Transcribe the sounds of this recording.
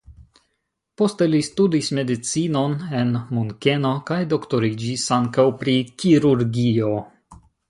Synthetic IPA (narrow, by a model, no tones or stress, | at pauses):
po̞ste̞listudisme̞dit͡sino̞ne̞nmuŋke̞no̞kajdo̞kto̞ɾid͡ʒisaŋkawpɾikiɾuɾɡio̞